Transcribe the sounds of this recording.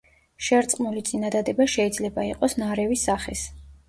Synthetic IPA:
ʃɛɾt̪sʼqʼmulit̪sʼinad̪ad̪ɛbaʃɛid̪zlɛbaiqʼɔsnaɾɛvisaχɛs

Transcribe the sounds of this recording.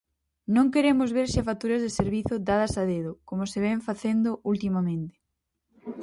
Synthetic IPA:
nõŋkeɾemʊzβeɾʃafat̪uɾɐzðeseɾβiθʊd̪að̞ɐsaðeðʊkomoseβɛɱfaθend̪ʊʔult̪imamẽnt̪ɪ̥

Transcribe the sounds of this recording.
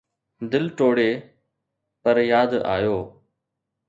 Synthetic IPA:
d̪ɪlʈoːɽeː | pəɾjaːd̪a̰ːjoː

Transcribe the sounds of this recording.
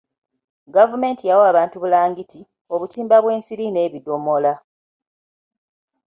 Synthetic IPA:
ɡavume̞ːntijawoaβaːntuβulaːŋɡiti | o̞βutiːmbaβwe̞ːnsiɾine̞ːβido̞mo̞la

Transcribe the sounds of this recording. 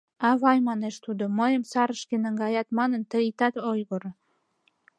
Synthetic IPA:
ɑβɑjmɑneʃt̪ud̪oməjəmsɑɾəʃkenəŋɡɑjɑt̪mɑnənt̪əit̪ɑt̪ojɣoɾ

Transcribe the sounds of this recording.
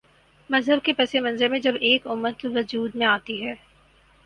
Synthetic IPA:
mɐzɦəɾkepɛsemɐ̃nzeɾmẽd͡ʒɐbeːkʊmːət̪ʋɐd͡ʒuːd̪mẽaːt̪iɦɛː

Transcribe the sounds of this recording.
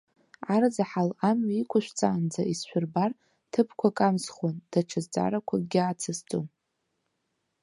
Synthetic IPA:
ard͡zaħalamɥaikʷʰʊʃᶣʷt͡sʼaːnd͡zaisʃʷᶣʊrbar | tʰɨpʰkʷʰakʼamsχwand̥aʈ͡ʂʰazt͡sʼa̰ɾakʷʰaɡʲɪat͡sʰast͡sʼom

